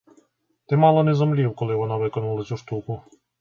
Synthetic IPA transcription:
t̪ɛmɑlˠɔnɛzɔmlʲiwkɔlˠɪʋɔnɑʋɪkɔnulˠɐsʲuʃt̪ukʊ

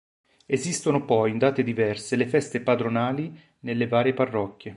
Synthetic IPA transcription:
ezist̪onopɔjind̪aːt̪ed̪ivɛrselefɛst̪epad̪ɾonaːli | nelːevaːɾjeparːɔkːje

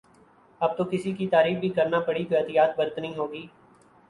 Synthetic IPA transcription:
ɐb̚t̪oːkɪsikit̪aːɾiːb̚bʱiːkɐɾnaːpəɽit̪oɐd̪ijaːt̪̚bəɾət̪nəĩːɦoːɡiː

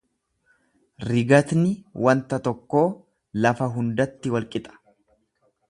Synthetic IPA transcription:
ɾɪɡɐt̪nɪwɐnt̪ɐt̪ɔkːo̞ː | lɐfɐɦʊnd̪ɐt̪ːɪwɐlkʼɪt̪ʼɐ̥

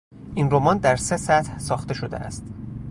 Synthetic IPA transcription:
ʔinro̞mɒnd̪æɾse̞sæt̪hsɒːxt̪e̞ʃo̞d̪ḛʔæ̰st̪

